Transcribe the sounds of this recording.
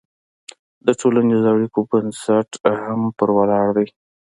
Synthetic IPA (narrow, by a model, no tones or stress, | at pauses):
d̪əʈolanezaɽikobənsaʈhampəɾwalɑɽd̪aj